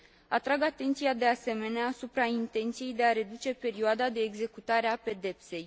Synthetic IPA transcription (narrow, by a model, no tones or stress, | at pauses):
at̪ɾaɡat̪e̞nt̪sijad̪e̞ase̞me̞neaːsupɾaint̪e̞nt̪sije̞jd̪e̞aɾe̞d̪ut͡ʃe̞pe̞ɾioad̪ad̪e̞ːɡze̞kut̪aɾeape̞d̪e̞pse̞j